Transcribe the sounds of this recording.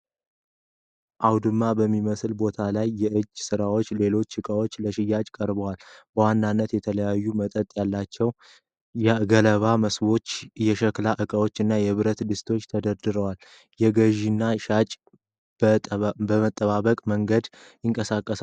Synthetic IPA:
ʔawd̪ɨmːabəmːiməslbo̞t̪ʰalajːɛʔɨd͡ʒːsɨɾawo̞t͡ʃːle̞lo̞t͡ʃːɨkʼawo̞t͡ʃːləʃɪjːat͡ʃʼkʼəɾbəwalb̥əwanːanːət̪jɛt̪ʰələjajːumət̪ʼət̪ʼjalːat͡ʃːɛw | jɛɡələβaməsbo̞t͡ʃːjɛʃəklaʔɨkʼəwo̞t͡ʃːɨnːajɛβɨɾət̪d̪ɨst̪ʰo̞t͡ʃːt̪ʰəd̪əɾd̪ɨɾəwal | jɛɡəʒinːaat͡ʃʼ | bəmət̪ʼːəβaβəkʼməŋɡəd̪ | jɪŋkʼəsakʼːəsa

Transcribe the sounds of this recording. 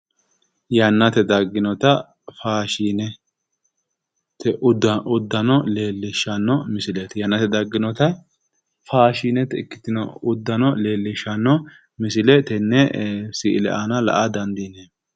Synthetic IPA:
jɐnːɐt̪ɛd̪ɐɡːɪnɔt̪ɐ | faːʃiːnɛ | t̪ɛʔʔʊd̪ːɐnɔleːlːɪʃːɐnːɔmɪsɪlɛt̪jɐnːɐt̪ɛd̪ɐɡːɪnɔt̪ɐ | faːʃiːnɛt̪ɪkːɪ̥t̪ɪnɔʊd̪ːɐnɔle̞ːlːɪʃɐnːɔ | mɪsɪlɛt̪ɛnːɛsɪʔɪlɛ̰ʔɐnɐlɐ̰ʔad̪ɐnd̪ine

